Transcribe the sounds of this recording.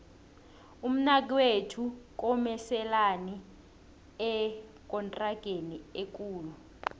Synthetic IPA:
um̩nak̬iwetʰuk̬ɔmɛsɛlani | ɛk̬ʼɔntʼraɡ̥ʱeniek̬ʼuːlu

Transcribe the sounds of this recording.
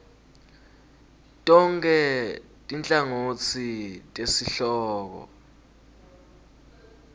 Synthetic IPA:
tʼɔŋkʰʼɛ | tʼint͡ɬʼaŋot͡sʰitʼesiɬɔːk̬ɔ̰

